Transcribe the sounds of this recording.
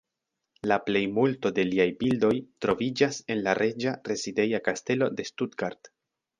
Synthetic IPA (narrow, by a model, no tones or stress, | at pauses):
laple̞jmulto̞de̞liajbildo̞jtɾo̞vid͡ʒase̞nlaɾʔe̞d͡ʒaɾe̞zide̞jakaste̞lo̞de̞studɡaɾd̥